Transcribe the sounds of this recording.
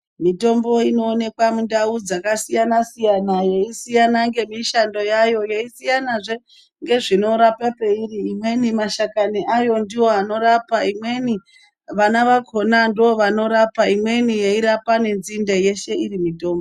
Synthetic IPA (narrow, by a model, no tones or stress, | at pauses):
mito̞mbo̞ino̞ːne̞kwamundaud͡zakasijanasijanajeisijanaŋɡe̞miʃando̞jajo̞jeisijanaʐe | ŋɡe̞ʐino̞ɾapape̞iriːmwe̞nimaʃakaniʔajo̞ndiwo̞ano̞ɾapaimwe̞ni | ʋanaʋakʰo̞nandiwo̞ʋano̞ɾapaimwe̞nijeiɾapane̞nzindeje̞ʃe̞irimito̞ːmbo